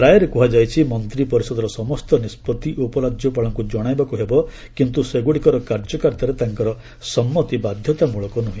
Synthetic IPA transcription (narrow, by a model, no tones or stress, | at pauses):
ɾajɔɾekuɦad͡ʒajt͡ʃʰimɔnt̪ɾipɔɾisɔd̪ɔɾɔsɔmɔst̪ɔnispɔt̪iʔupɔɾad͡ʒjɔpaɭɔŋkud͡ʒɔɽ̃ajbakuɦebɔ | kint̪useɡuɽikɔɾɔkaɾd͡ʒɔkaɾt̪ɔɾet̪aŋkɔɾɔ | sɔmːɔt̪ibad̪ʱjɔt̪amuɭɔkɔnuɦĩ